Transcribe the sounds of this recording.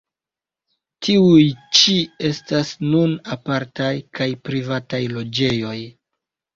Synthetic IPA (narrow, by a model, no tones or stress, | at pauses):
tʰiujt͡ʃie̞stasnunapaɾtajkʰajpɾivatajlo̞d͡ʒe̞jo̞j